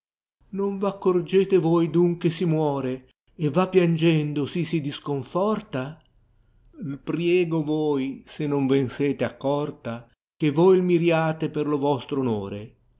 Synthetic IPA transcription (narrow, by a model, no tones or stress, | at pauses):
noɱvakːord͡ʒeːt̪evojd̪uŋkwesimwɔːɾe | evapːjand͡ʒɛnd̪osisid̪iskoɱfɔrt̪a | lpɾjɛːɡovojsenːoɱvenseːt̪eakːɔrt̪a | k̟evojlmiɾjaːt̪eperlovɔst̪ɾono̰ːɾḛ